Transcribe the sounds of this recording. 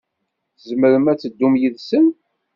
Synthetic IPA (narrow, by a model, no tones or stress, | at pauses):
θəzməɾəmæt͡sːəd̪ːumjiðsən